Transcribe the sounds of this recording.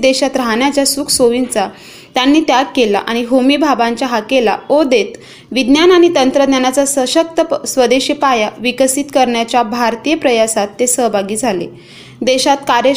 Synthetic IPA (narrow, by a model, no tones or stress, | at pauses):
d̪eɕat̪ɾaɦɳjat͡ɕjasuːkʰsoʋint͡sa | t̪janːiːt̪jakkela̰ʔaɽ̃iɦomibʱabãɲt͡ɕjaɦakela̰od̪et̪ | ʋid̪njanaɽ̃it̪ənt̪ɾəd̪njanat͡sasəɕək̚t̪əsʋəd̪eɕəpajaʋikəsit̪kəɾɳjat͡ɕjabʱaɾt̪iːjəpɾəjasat̪ːesəɦbʱaɡiːd͡zʱalḛ | d̪eɕat̪kaɾə